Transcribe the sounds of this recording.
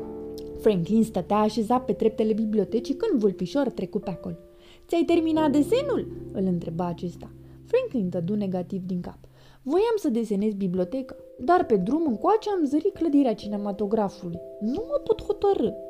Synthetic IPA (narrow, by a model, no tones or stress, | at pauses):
fɾeŋklinst̪ət̪eaːʃe̞zat̪̚pe̞d̪ɾe̞p̚t̪e̞le̞biblio̞t̪e̞t͡ʃikɨnd̪vulpiʃort̪ɾe̞kupeako̞l | t̪sʲajt̪e̞rminatd̪e̞se̞nulɨlɨnt̪ɾe̞baːt͡ʃe̞st̪a | fɾeŋklint̪əd̪une̞ɡat̪ivd̪iŋkap | vo̞jamsəd̪e̞se̞ne̞zʲbiblio̞t̪e̞kḁ | d̪arpe̞d̪ɾumɨŋkoat͡ʃeamzəɾikləd̪iɾeat͡ʃine̞mat̪o̞ɡɾafulujnuəpot̪ho̞t̪əɾɨ